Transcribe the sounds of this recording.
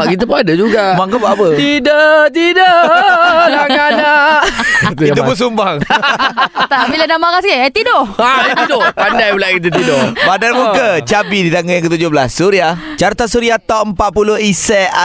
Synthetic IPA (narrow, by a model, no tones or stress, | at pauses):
aʔkit̪̬əpuadad͡ʒuɡamaŋkabaʔapət̪idat̪ida | laŋanaʔtit̪upuns̬umbaŋ | t̪aʔbiladamaɣaskeat̪idoʔaat̪t̪idoʔpandajbulaʔkit̪̬ət̪idoʔbadanmukat͡ʃabidit̪aŋɡəjaŋkət̪ud͡ʒʊhblasːuɾia | t͡ʃaɾt̪asuɾiat̪ɔʔəmpat̪̚pulʊɦisɛa